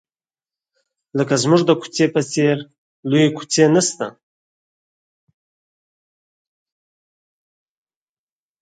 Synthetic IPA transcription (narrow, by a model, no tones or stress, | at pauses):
ləkazmuʐd̪əku̥t͡sepət͡seɾ | lujekʰu̥t͡senəst̪a̰